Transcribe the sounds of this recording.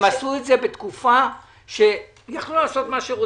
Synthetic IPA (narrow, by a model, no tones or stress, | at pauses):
masuetze̞be̞t̪kufa | ʃe̞ | jaχlulaːso̞t̪maʃeʁo